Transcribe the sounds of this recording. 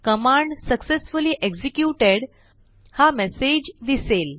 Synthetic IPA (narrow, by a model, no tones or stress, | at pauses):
kəmãɳɖsəksesfuliʔeɡsikjuʈeɽ | hamɛsed͡ʑd̪isel